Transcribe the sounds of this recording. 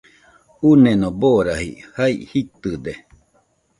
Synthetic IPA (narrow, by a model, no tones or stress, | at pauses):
unenoboɾahḭhaḭhit̪ɨd̪e